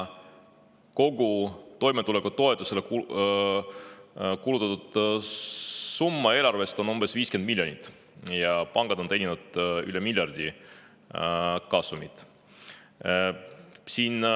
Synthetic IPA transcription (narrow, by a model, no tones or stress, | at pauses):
ko̞ɡut̪o̞jmet̪ule̞kːut̪o̞e̞t̪ːˑuse̞leku | kulut̪ːˑɑt̪ud̪̥ | sumːɑe̞ːlɑrve̞st̪o̞numb̥e̞sviːskenmilʲjo̞nit̪ːˑ | jɑpɑŋɡ̥ɑd̪̥o̞nenʲinud̪̥ylemilʲjɑrd̪̥ʲi | kɑsumit̪ˑ | siːn